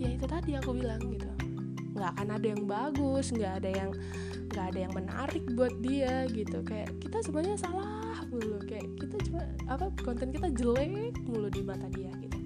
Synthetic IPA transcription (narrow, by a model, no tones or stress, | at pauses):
jait̪ut̪adiakubilaŋɡit̪u | ŋɡakanadajaŋbaɡʊsŋɡaːdajaŋ | ŋɡaːdajaŋməna̰ɾɪk̚buat̪̚diaɡit̪ukaja̰ʔkit̪asupaɲasala | hmulʊkajaʔkit̪at͡ʃuman | apakɔnt̪ɛnkit̪ad͡ʒəlɛk̚muludimat̪adiaɡit̪a